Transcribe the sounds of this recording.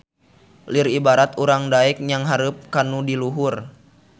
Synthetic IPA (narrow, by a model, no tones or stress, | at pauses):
liribaɾat̪uɾaŋdaik̚ɲaŋɦaɾup̚kanudiluɦur